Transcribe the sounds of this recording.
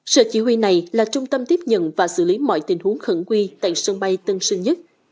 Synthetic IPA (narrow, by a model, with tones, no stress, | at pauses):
sə̰ː˧˨t͡ɕi˧˩hwi˧˩na˨˩jlaː˨˩t͡ɕʊ˧ŋ͡mt̪ə˧mt̪i˦˥əp̚ɲə̰˧˨nvaː˨˩sɨ̰˧˩li˨˦mɔ̰˧˨jt̪ï˨˩ŋ̟hu˨˦əŋxə˧˩ŋkwi˧t̪a̰ː˧˨jsə˧ŋɓa˧jt̪ə˧ŋsɨ˧ŋɲə˦˥t̚